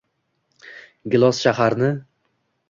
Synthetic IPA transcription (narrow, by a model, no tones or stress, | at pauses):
ɡʲɪlˠɒsʃaɦaɾnɪ